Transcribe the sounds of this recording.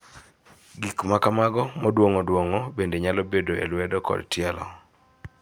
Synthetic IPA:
ɡikmakamaɡɔmɔdwoŋɔdwoŋɔbendeɲalɔbedoḛlwɛdɔkɔ̰dtjɛlɔ̰

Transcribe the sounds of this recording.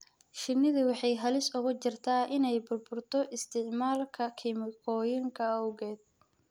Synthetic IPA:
ʃɪnɪðɐwɑħɑjɦɐlɪsʊɣʊt͡ʃɪrt̪ʰaːʔɪnɛjbʊrbʊrt̪ʰɔʔɪst̪ʰɪʕmaːlkʰɐkʰɪmɪkʰɔːjɪŋkʰɐɐwɣɛːd̪̥̚

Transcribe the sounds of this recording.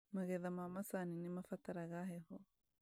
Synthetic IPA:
maɣɛðamamasaninimafat̪aɾaɣaɦeɦo

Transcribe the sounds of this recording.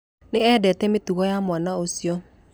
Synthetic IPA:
neɛdɛtɛmetuɣɔjamwanaosiɔ

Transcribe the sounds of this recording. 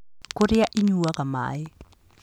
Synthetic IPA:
koɾɪaʔɪɲuakama̰ɪ

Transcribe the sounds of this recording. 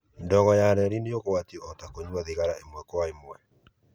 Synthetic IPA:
ndɔɣɔjaɾɛɾinejokowatiɔtakoɲwaðiɣaɾaemwɛkwaemwɛ

